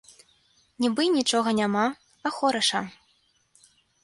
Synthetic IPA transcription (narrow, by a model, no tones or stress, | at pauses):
nʲibɨnʲit͡ʂɔɣɐnʲama | ɐxɔɾɐʂɐ